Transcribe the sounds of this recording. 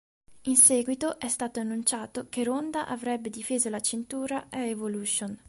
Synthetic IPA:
insɛːɡwit̪oʔɛst̪aːt̪oanːunt͡ʃaːt̪okeɾond̪aʔavɾɛbːed̪ifeːzolat͡ʃent̪uːɾaʔaevoluːʃon

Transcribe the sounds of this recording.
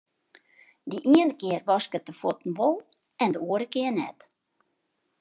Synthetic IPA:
diʔiəndəkɪərʋɑskət̚dəfɔtn̩ʋolˠ | ɛndəuːəɾəkɪərnɛt

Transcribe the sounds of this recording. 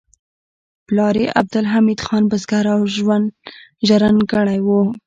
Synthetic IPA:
plɑɾeʔa̰b̚d̪ʊlɦamid̪xɑnbazɡaɾawʒwand̪ʒaɾanɡəɽajwu

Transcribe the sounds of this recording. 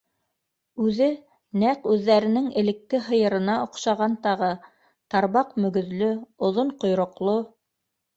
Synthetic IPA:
ʉðɘ | næqʉðːæɾɘ̆nɘŋɘ̆lɘ̆k̪̚ːɘɦɤ̆jɤ̆ɾɤ̆nɑŏqʃɑʁɑnt̪ɑʁɤ | t̪ɑɾβɑqmɵ̆ɡɵ̆ðlɵŏðoɴqŏjɾŏqlˠo

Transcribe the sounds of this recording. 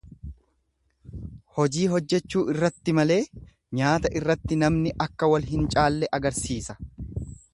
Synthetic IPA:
hɔd͡ʒiːɦɔd͡ʒːɛt͡ʃːuːɪrːɐt̪ːɪmɐle̞ː | ɲaːt̪ɐʔɪrːɐt̪ːɪnɐmnɪʔɐkːɐwɐlɦɪnt͡ʃʼaːlːɛʔɐɡɐɾsiːsɐ̥

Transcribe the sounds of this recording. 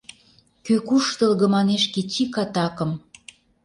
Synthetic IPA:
køkuʃt̪ɤ̆lɣɤ̆mɑneʃket͡ɕikɑt̪ɑkə̆m

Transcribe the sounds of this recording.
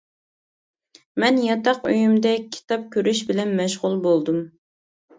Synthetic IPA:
mɛnjɑt̪ʰɑqø̰jymd̪ɛkʲʰi̥t̪ʰɑp̚kʲʰøɾyʃbɪlɛnmɛʃʁʊlˠbolˠd̪um

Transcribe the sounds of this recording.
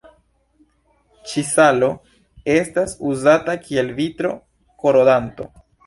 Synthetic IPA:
t͡ʃisalo̞ | e̞stasuzatakʰie̞lvitɾo̞̰ | ko̞ɾodanto̞̰

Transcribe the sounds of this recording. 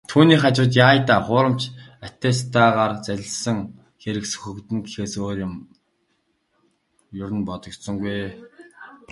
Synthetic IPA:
t̪ʰuːniːχat͡ɕʊːt̪̬jaːjt̪aːχʊːɾə̆m̥t͡ɕæt̪eːst̪aːʁaːrt͡sæɮʲɪ̆sə̆ŋ | xeɾɘ̆ksɵ̥xɵ̆kt̪ɘ̆nɡexeːsoːɾɪ̆m | jʊɾɘ̆npɔt̪ɞ̆k̪sɞ̆ŋɡuj

